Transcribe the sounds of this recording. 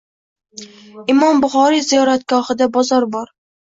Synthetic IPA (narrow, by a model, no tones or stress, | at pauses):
ɪmɒmbʊχɒɾizijɒɾat̪ɡ̥ɒhɪd̪abɒzɒɾbɒɾ